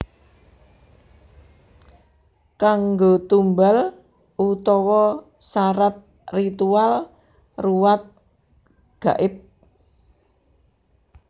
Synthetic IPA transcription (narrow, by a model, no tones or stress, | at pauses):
kaŋɡot̪umbal | ut̪ɔwɔ | saɾat̪̚ | rit̪ual | ruwat̪̚ | ɡ̥a̤ʔɪp̚